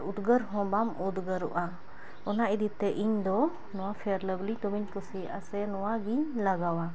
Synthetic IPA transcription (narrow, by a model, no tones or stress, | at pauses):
ud̪ɡəɾɦɔ̃bamud̪ɡəɾṵʔa | ɔnaʔid̪it̪ɛʔiɲd̪ɔ | nɔwapʰɛɾləblit̪ɔbiɲkusiʔa̰sɛnɔwaɡiɲlaɡawa